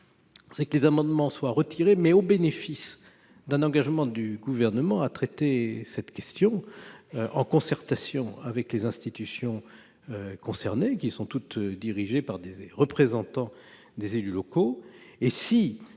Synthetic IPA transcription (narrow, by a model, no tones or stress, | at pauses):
sɛklezamɑ̃d̪mɑ̃swaʁət̪ʰiʁemɛobenefis | d̪ɛ̃nɑ̃ɡaʒmɑ̃d̪yɡuvɛʁnəmɑ̃at̪χɛt̪esɛt̪kʲɛst̪jɔ̃ | ʔɑ̰̃kɔ̃sɛʁt̪asjɔ̃avɛklezɛ̃st̪it̪ysjɔ̃ | økɔ̃sɛʁnekʲisɔ̃t̪ut̪d̪iʁiʒepaʁd̪eʁəpχezɑ̃t̪ɑ̃ | d̪ezelylɔkoesi